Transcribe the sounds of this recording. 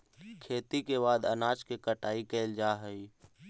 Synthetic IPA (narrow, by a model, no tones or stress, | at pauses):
kʰeːt̪ikebaːd̪ənaːt͡ʃkekəʈaːikeld͡ʒaɦəi